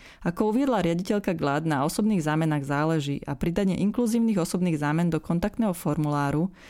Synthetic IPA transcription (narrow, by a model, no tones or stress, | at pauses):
akɔuʋɪɛd̪laɾɪaɟicɛʎkaɡlad̪naɔsɔbniːɣzaːmɛnaɣzaːlɛʒḭːʔa̰pɾid̪aɲɪɛ̰ʔiŋkluziːʊniːɣɔsɔbniːɣzaːmɛnd̪ɔkɔnt̪akt̪nɛːɦɔfɔɾmulaːɾu